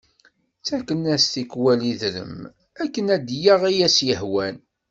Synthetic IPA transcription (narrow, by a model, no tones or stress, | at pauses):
t͡sækːənæst̪ikwæliðɾə̰m | ækːənæd̪jaʁæjæsjəhwæn